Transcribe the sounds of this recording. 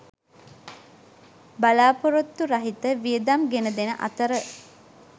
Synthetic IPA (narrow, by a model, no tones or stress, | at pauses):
balaːpoɾot̪ːuɾaɦit̪əʋijəd̪amɡenəd̪enəʔa̰t̪əɾə